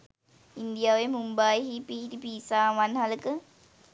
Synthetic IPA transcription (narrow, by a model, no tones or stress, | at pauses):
ind̪ijaːʋemumbajɦipiɦiʈipiːsaːʋanɦaləkə